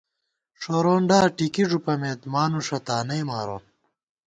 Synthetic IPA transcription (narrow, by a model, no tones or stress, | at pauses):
ʂoːɾoːnɖaːʈikiʐupɐmeːt̪maːnuʂɐt̪aːnɐjmaːɾo̰ːn